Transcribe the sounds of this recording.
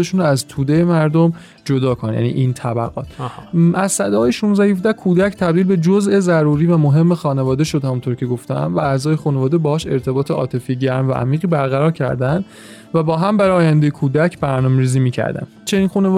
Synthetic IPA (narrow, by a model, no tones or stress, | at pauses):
eʃuːnoæzt̪ʰuːd̪ejemæɾd̪om | d͡ʒo̞d̪ɒːkʰonnjæ̰nḭːʔint̪ʰæbæ̰ɣɒ̰ːt̪ʰʔæzsæd̪ɒːjeʃunzdæhefd̪ækʰuːd̪æcʰt̪ʰæbd̪iːlbe̞d͡ʒoze̞zæɾuːɾiːvæmoɦe̞mːexɒːne̞vɒːd̪e̞ʃo̞d̪hæmunt̪ʰo̞ɾcʰe̞ɡo̞ft̪æ̰mvææzɒːje̞xune̞vɒːd̪ebɒːhːʃe̞ɾt̪ʰe̞bɒːt̪ʰeʔɒ̰ːt̪ʰe̞fieɟæɾmvæ̰ʔæ̰miːɣiːbæɾɣæɾɒːɾcʰæ̰ɾd̪ænd̪ | væbɒːɦæmbæɾɒːjænd̪ejekʰuːd̪æcʰbæɾnɒːmeɾiːziːmiːcʰæ̰ɾd̪æ̰n | t͡ʃʰe̞niːnxuːne